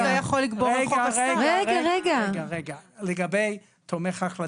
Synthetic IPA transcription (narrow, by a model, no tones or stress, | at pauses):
ajaχolːiɡboʁχosɡʁeʁaʁeɡaaʁeɡaleɡabej | t̪ʰomeχaχla